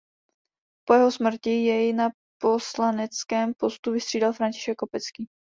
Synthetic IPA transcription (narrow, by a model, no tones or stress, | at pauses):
po̞jɛɦo̞smr̩cɪjɛjɪna | po̞slanɛt͡skɛːmpo̞st̪uvɪst̪r̥iːdalfɾancɪ̥ʃɛkːopɛt͡skiː